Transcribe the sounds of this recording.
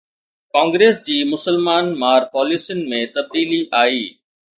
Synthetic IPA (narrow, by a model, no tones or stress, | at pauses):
kãːŋɡɾeːsd͡ʑiːmʊsəlmaːnmaːɾpɔːliːsijʊnɪ̆mẽt̪ɐb̚d̪iːliʔaːiː